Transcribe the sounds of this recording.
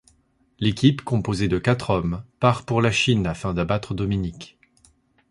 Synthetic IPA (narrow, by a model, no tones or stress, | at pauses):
lekʲipkɔ̃pozed̪əkat̪χɔmpaʁpuʁlaʃinafɛ̃d̪abat̪χəd̪ɔminik